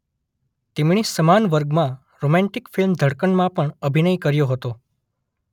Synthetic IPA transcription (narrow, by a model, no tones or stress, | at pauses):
t̪emɳ̃isəmanʋəɾɡmã | ɾomɛ̃ɳʈikfilmd̪ʱəɽkəɳmãpəɳəbʱinəikəɾjoɦət̪o